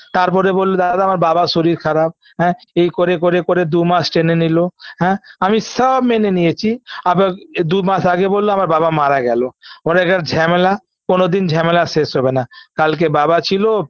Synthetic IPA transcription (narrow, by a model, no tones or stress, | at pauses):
t̪aɾp̬ɔɾebolːod̪ad̪aamaɾbabaʃoɾiɾkʰaɾab̚ | ɦɛ̃ejkoɾekoɾekoɾed̪umasʈenenilohɛ̃ːamisɔbmenenijet͡ɕʰiabd̪umaʃaɡebolːoamaɾbabamaɾaɡɛlooɾɛkʈaɾd͡ʑʱɛmela | konod̪ind͡ʑʱɛmelaʃeʃɦɔbenakalk̬ebabat͡ɕʰilo